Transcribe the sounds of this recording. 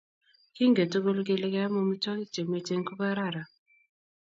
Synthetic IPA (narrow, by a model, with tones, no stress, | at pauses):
kɪ˦ŋɡe˨to˦ɡo˦lɡɪ˦lɪ˦kɛ˦a˦mo˦mi˦tɔ˦kɪ˦t͡ʃe˨me˨te˦ŋko˦ka˦ɾa˦˨ɾa˨